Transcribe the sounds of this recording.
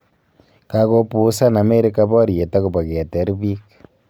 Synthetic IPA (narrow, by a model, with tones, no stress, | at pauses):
kako˦pu˨sa˦na˨me˦ɾi˦ka˦bɔ˦ɾje˨ta˦ku˨ba˨kɛ˨tɛ˨˦ɾbi˦k